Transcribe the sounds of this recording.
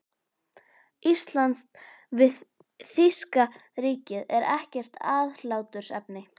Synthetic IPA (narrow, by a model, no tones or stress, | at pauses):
ist̪lan | vɪ | θiskariːcɪðɛɾɛhcɛr̥t̪ʰaːðlaːwt̪ʏɾ̥sɛpnɪ